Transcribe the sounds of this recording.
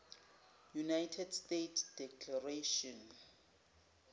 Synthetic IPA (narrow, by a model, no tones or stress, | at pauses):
junajtʰɛdstetʰd̥ɛkʰlareʃɔn